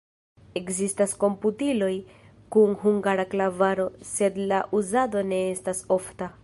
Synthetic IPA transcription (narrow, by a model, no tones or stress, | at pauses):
e̞kzistasko̞mputilo̞j | kuŋhuŋɡaɾaklavaɾo̞se̞dlaʔuzado̞ne̞estaso̞fta